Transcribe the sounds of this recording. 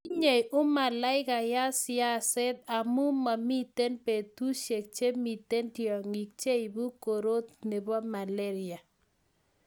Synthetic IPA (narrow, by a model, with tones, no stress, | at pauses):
i˦ɲe˨jʔʊ˦ma˨la˦ɪ˦ka˨ja˦sɪa˦sɛ˦t̪̚a˨mu˦ma˨mi˦t̪e˦npe˨t̪u˦ʃe˨k̚t͡ʃe˦mi˨t̪e˦ntjɔ˨ŋi˨k̚t͡ʃe˦i˨bu˦ko˨ɾo˦t̪ne˨ba˦ma˨le˦ɾɪ˨a˨